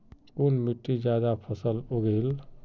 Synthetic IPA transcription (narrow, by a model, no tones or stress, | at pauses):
unmiʈːid͡ʒad̪apʰəsəloɡel